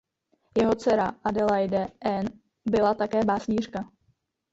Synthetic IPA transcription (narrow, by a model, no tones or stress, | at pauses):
jɛɦo̞t͡sɛɾaʔadɛlajdɛʔɛn | bɪlat̪akɛːbaːsɲiːrka